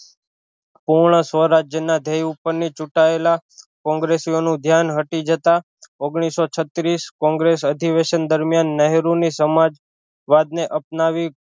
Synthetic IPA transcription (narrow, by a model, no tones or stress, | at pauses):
puɾɳ̃əsʋəɾad͡ʒjənad̪ʱejupəɾnit͡ʃuʈaelakɔ̃ŋɡɾesionũd̪ʱjanɦəʈid͡ʒət̪a | oɡɽ̃isot͡ʃʰət̪ɾiskɔ̃ŋɡɾesəd̪ʱiʋeʃənd̪əɾmjanːəɦɾunisəmad͡ʒ | ʋad̪̚neʔəp̚naʋi